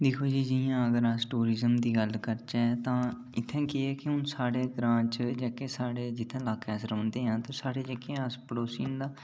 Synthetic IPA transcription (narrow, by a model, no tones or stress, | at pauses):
d̪ɪkʰoːd͡ʒiːd͡ʒɪjãːəɡəɾəsʈuːɾɪːzəmd̪iːɡəlkəɾt͡ʃɛːt̪ãː | ɪt̪ʰːẽːkeɛːkɪɦʊnsaːɽeːɡɾãːt͡ʃd͡ʒəkeːsaːɽeːd͡ʒɪt̪ʰːẽːlaːkɛːsɾõːnd̪eːɦãːt̪ãːsaːɽeːd͡ʒəkẽːəspəɽoːsḭːnd̪aː